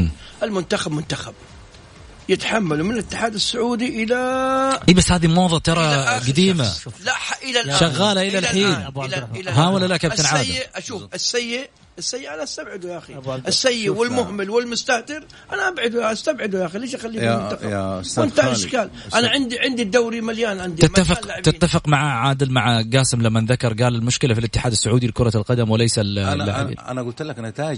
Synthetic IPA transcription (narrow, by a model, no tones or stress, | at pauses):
ʔɪlmʊnt̪axabmʊnt̪axab̚ | jɪt̪ḁħamːalumɪnlɪt̪ːɪħaːd̪ɪsːʊʕuːd̪iʔɪlaʔibasːhaːðimoːðˤɑt̪ɑɾˤɑɡad̪iːma̰laʔħaʔɪlaʃaɣːaːlaʔɪlalħiːnɪlaɦawalːalaʔkab̪anʕaːdjɪʔʔaʃuːfɪsːajːɪʔ | ɪsːajːɪʔanaʔast̪abʕɪd̪ujaxiʔɪsːajːɪʔwɪlmʊhmɪlwɪlmʊst̪aht̪ɪɾ | ʔanaʔabʕɪd̪ujaʔast̪abʕɪd̪ujaːxileːʃʔaxalːiːmt̪aqɑ̰ɪnt̪aɪʃkaːl | ʔanaʕɪnd̪iʕɪnd̪id̪ːawɾimaljaːnʕɪnd̪it̪ɪmːafɪːaʕbt̪ɪːafɪqmaʕaʕaːd̪ɪlmaʕɡaːsɪmlamːanðakɑɾˤɡaːlalmʊʃkɪlafilɪt̪ːɪħaːd̪asːʊʕuːd̪ilkʊɾˤɑlqɑd̪amwɪlajsalːaʕḭʔa̰naɡʊlt̪laknat̪aːd͡ʒ